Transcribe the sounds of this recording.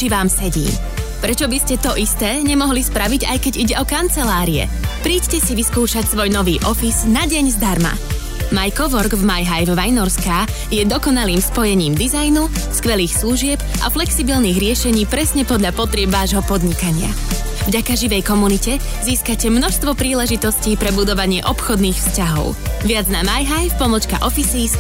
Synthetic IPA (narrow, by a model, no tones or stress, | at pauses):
t͡ʃiʋaːmsɛɟḭːm | pɾɛt͡ʃɔbiscɛt̪ɔʔist̪ɛːɲɛmɔɦlispɾaʋiɟa̰jkɛɟiɟɛɔkant͡sɛlaːɾiɛ̰ | pɾiːccɛsiʋiskuːʃacsʋɔjnɔʋiːʔɔfiznaɟɛɲzd̪aɾma̰ | majkɔʋɔɾɡvmajɦajvʋajnɔɾskaː | jɛd̪ɔkɔnaliːmspɔjɛɲiːmd̪izajnu | skʋɛliːxslˠuʒɪɛbʔa̰flɛksibilniːɣɾɪɛʃɛɲiːpɾɛsɲɛpɔd̪ʎapɔt̪ɾɪɛbʋaːʒɦɔpɔd̪ɲikaɲɪa̰ | vɟakaʒiʋɛjkɔmunicɛ | ziːskacɛmnɔʃst̪ʋɔpɾiːlɛʒit̪ɔsciːpɾɛbud̪ɔʋaɲɪɛʔɔpxɔd̪niːxfscaɦɔ̰ʊʋɪad͡znamajɦajfpɔmɔt͡ʃka̰ʔɔfisiːs